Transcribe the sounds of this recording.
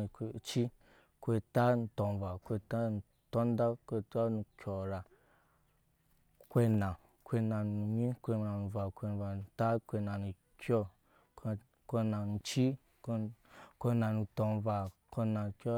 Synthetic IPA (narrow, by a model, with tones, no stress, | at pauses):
t͡ʃi˦ | kʷe˧ta˦nu˨tɔ˨n˨va˨kʷe˧ta˦nu˨ | tɔ˦n˦da˦kʷe˧ta˦nu˧kʲɔ˨ɾa˨ | kʷe˧na˨ | kʷe˧na˨n˨u˨ɲi˦kʷe˧˨a˨nu˨va˨kʷe˧n˨va˨n˨ta˦kʷe˧na˨nu˨ | kʲjɔ˦˧ | kʷe˧na˨nu˨t͡ʃi˦ | kkʷe˧na˨nu˧tɔ˧nva˨kʷe˧na˨kʲɔ˦